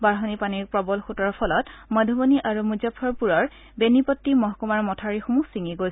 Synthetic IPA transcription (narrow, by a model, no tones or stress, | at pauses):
baɹɦɔnipaniɹpɹɔbɔlxutɔɹɔpʰɔlɔtmɔdʱɔbɔniʔaɹumuzapʰɔɹpuɹɔɹ | benipɔtːimɔɦɔkumaɹmɔtʰaɹixomusiŋiɡojs